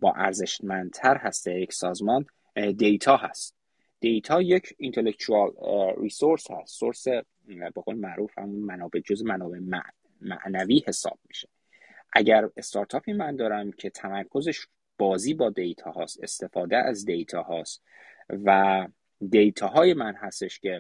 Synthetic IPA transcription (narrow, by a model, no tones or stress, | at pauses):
b̥ɒ̰ːʔæɾze̞ʃmænd̪̚t̪ʰæɾɦæst̪ejecsɒːzmɒːn | d̪e̞jt̪ʰɒːhæst̪ | d̪̥e̞jt̪ʰɒːjecʰint̪ʰe̞lekt̪ʰuɒlɾiːsoɾshæst̪soɾse | beɣolemæʔɾuːfhæ̰munmænɒːbe̞d͡ʒozemænɒːbe̞mæ | mæ̰ʔnæviːhe̞sɒ̰ːb̥̚miʃe | ʔæɟæɾe̞st̪ʰɒːɾt̪ʰɒːpʰiːmænd̪ɒːɾæmcʰe̞t̪ʰæmæɾkʰo̞zeʃ | b̥ɒːziːbɒːd̪e̞jt̪ʰɒːhɒːst̪e̞̰st̪e̞fɒːd̪eʔæ̰zd̪e̞jt̪ʰɒːhɒːst̪ | væ | d̪e̞jt̪ʰɒːɦɒːje̞mænɦæst̪e̞ʃcʲʰe̞